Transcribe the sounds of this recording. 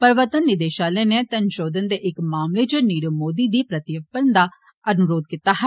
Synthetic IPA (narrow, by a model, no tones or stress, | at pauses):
pəɾʋət̪ənːɪd̪eːʃaːlẽːneːt̪ənʃoːd̪ənd̪eːʔɪkmaːmleːd͡ʒəniːɾəmoːd̪iːd̪iːpɾət̪ɪjəpəɾnd̪aː | ənʊɾoːd̪̚kit̪aːɦ